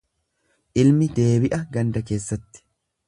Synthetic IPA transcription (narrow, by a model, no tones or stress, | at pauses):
ʔɪlmɪd̪e̞ːbɪʔɐɡɐnd̪ɐke̞ːsːɐt̪ːɪ̥